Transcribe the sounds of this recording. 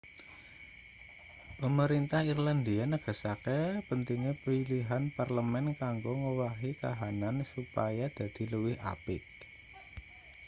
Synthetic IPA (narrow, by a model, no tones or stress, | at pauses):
pəməɾint̪ahirland̪ianəɡ̥a̤sakepənt̪iŋepiliɦanparləmɛnkaŋɡoŋəwaɦika̰ɦanansupajad̪̥a̤d̪̥i̤ləwɪha̰pɪ̰t